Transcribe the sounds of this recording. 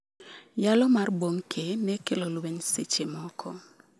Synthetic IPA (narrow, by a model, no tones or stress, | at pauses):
jalɔmarboŋkʰenɛkɪlolubensɪt͡ʃɪmɔkʰɔ